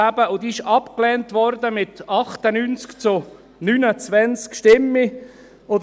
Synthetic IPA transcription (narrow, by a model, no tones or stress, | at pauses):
abəʊd̪iɪʃɑpklɛːntvɔɾd̪əmɪtɑχt̪ənynt͡skt͡sʊ | nyːnət͡svɛnt͡skʃtɪmːi | od